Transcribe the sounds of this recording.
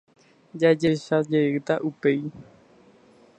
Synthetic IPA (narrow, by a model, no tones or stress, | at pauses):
d͡ʒad͡ʒeʃad͡ʒet̪aʔupej